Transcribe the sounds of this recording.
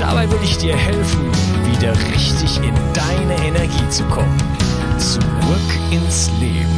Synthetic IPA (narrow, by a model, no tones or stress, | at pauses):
d̥a̰baɪvɪlɪçd̥iːɐhɛlfn̩ | viːdɐʁɪçtɪçɪndaɪnəʔɛnɛɐɡiːt͡sukʰɔmən | t͡suʁʏk | ɪnslḛːbm̩